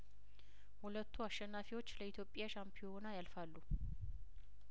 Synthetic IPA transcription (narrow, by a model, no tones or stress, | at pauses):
hulət̪ʰːuaʃɛnːafiwo̞t͡ʃːləit̪ʰjo̞pʼːjaʃampʰijonajalfalːu